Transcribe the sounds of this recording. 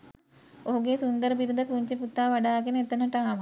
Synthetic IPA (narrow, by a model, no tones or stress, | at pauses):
oɦuɡesund̪əɾəbiɾud̪əpuɲt͡ʃeput̪ːaːʋaɖaːɡenəet̪ənəʈaŋaʋ